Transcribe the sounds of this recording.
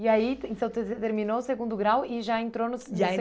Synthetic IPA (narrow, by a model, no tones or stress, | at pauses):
iaiẽnt̪ɐ̃w̃t̪t̪eɾmĩnoseɡũnd̪ʊɡɾawiʒaẽnt̪ɾonʊsʒs